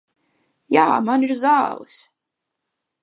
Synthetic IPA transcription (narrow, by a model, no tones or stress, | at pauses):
ja̰ːmaniɾzaːlˠɨ̰s